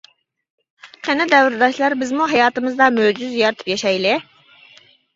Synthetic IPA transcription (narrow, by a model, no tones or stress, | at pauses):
qʰɛnɛd̪ɛwɾd̪ɑʃlˠɑɾbɪzmuɦɑjɑːt̪ɨmɨzd̪ɑmød͡ʒyzjɑɾt̪ʰɨ̥pjɛʃɛjlɪ